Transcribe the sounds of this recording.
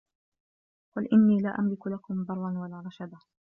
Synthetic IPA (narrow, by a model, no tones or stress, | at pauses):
qʊlʔɪnːiːlaːʔamlɪkʊlakʊmbɑrˤːɑnwalaːɾˤɑʃad̪a